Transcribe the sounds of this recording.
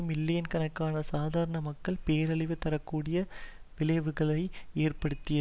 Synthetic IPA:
mɪlːɪjɐnkɐɳɐkːaːnɐsaːðaːɾɐɳɐmɐkːɐɭpeːɾɐɭɪʋɯt̪ːɐɾɐkːuːɽɪjɐʋɪlɐɪʋɯɣɐɭɐɪeːrpɐɽɯt̪ːɪjɐ

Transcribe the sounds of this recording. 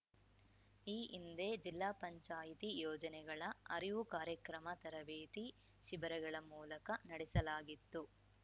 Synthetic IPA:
iːʔind̪e̞ːd͡ʒilːaːpɐɲt͡ʃaːjit̪ijɔːd͡ʒɐnɛɡɐɭɐɐɾiʋukaːɾjɐkɾɐmɐt̪ɐɾɐʋeːt̪i | ʃibɐɾɐɡɐɭɐmuːlɐkɐnɐɽɛsɐlaːɡit̪ːu

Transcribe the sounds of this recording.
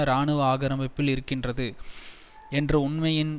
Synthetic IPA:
ɾaːɳɯʋɐaːɣɐɾɐmbɐpːɪlɪɾɯkːɪndrɐðɯ | ɛndrɯʊɳmɐjɪn

